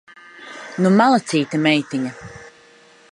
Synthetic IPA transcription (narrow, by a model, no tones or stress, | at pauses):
numalˠat̪siːt̪ɐmɛjt̪iɲɐ